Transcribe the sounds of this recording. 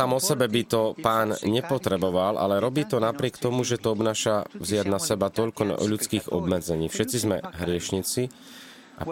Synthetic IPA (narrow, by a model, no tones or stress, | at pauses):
amɔsɛbɛbit̪ɔpaːnɲɛpɔt̪ɾɛbɔʋalʔa̰lɛɾɔbiːt̪ɔnapɾɪɛkt̪ɔmuʒɛt̪ɔɔbnaːʃavzɪad̪nasɛbat̪ɔʎkɔ̰ʎut͡skiːɣɔ̰bmɛd͡zɛɲiːfʃɛt͡sizmɛ̰ɦɾɪɛʃɲit͡si | a̰